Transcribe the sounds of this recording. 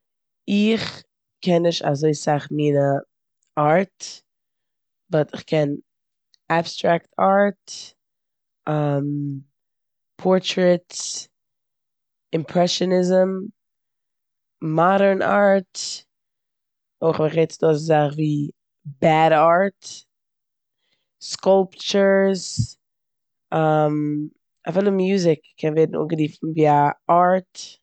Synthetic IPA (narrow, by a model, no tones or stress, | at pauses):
ɪχ | kʰɛnːɪʃta̰zoɪsaχmiːnə | aɹt | bɔtɪχkʰɛn | abstɾaktʰaɹt | am | pʰɔɹtɾɛt | ɪmpʰɾɛʃɔnɪzəm | maɾəɹnʔa̰ɹt | oɪχmɪχvɛɪt͡sdɔszaχviː | baɾaɹt | skɔlˠpt͡ʃəɹz | am | afɪlˠəmjuːzɪkkʰːɛnveɪdn̩ṵɡəɾiːfn̩viːaaɹt